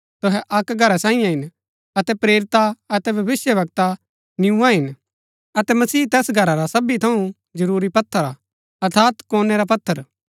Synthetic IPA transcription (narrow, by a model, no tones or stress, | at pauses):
t̪ʊɦɛʔɐkɡʱɐɾasãːĩjãɦɪn | ɐt̪ɛpɾeːɾɪt̪aɐt̪ɛbʱɐbɪsjəʋɐk̚t̪a | nɪũãɦɪn | ɐt̪ɛmɐsiːt̪ɛːsɡʱɐɾaɾasɐbit̪ʰɐũ | d͡ʒɐɾuːɾipɐt̪ʰːəɾa | ɐɾt̪ʰaːt̪kɔːnɛɾap̬ɐt̪ʰːəɾ